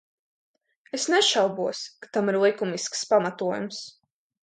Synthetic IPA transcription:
esnɛʃawbuɔskḁt̪amiɾlˠikumiskspamat̪uɔjums

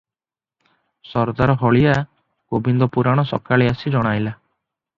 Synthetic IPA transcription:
sɔɾd̪aɾɔɦɔɭija | ɡ̥obind̪ɔpuɾaɽ̃ɔsɔ̰kaɭeasid͡ʒɔɽ̃ajla

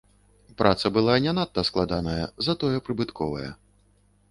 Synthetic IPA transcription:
pɾʔat̪sɐbɨlˠanʲanat̪ːɐsklˠad̪anɐjɐzɐt̪ɔjɛpɾɨbɨt̪kʰɔvɐ̰jɛ̰

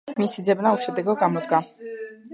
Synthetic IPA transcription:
misid̪zɛbnauʃɛd̪ɛɡɛlˠɡamɔd̪ɡa

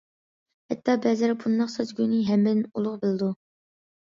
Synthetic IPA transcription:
hɛt̪ʰːɑbɛzɪɾbund̪ɑqsøzɡʲyjnɪɦɛmbɪd̪ɪnulˠʊʁbɪlˠɨd̪u

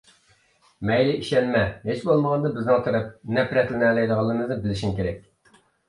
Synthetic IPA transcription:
mɛjlɪʔiʃɛnmɛɦet͡ʃbolˠməʁɑnd̪ɑbɪznɨŋt̪ʰɨɾɨp̚nɛpɾɛt̪lɪnæːlɛjd̪əʁɑlˠːmɨznɨbɪlɪʃimkʲeɾɛk̚ʲ

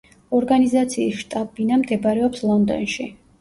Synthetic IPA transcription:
ɔɾɡanizat̪sʰiːsʃt̪ʼabinamd̪ɛbɾɛɔpslˠɔnd̪ɔ̰nʃi

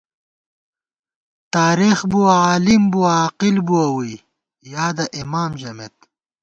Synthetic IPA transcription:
t̪aːɾixbuaaːlimbuwaːqilbuɐwi | jaːd̪ɐʔimaːmʑɐmet̪̚

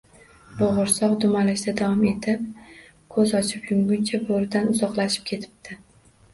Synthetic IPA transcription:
boʁʊɾsɒʁd̪ʊmalɪʃd̪ad̪avɒme̞t̪ʰɪp̚ | kʰɵzɒt͡ʃʰɪpjʊmɡʊnt͡ʃʰaboɾɪd̪anʊzɒqlˠaʃɪ̥p̚kʲʰe̞t̪ʰɪ̥p̚d̪̥ʰɪ

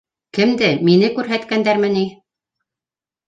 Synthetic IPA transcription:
kɘ̆md̪ɘminɘkʉɾɦæt̪kænd̪æɾmɘni

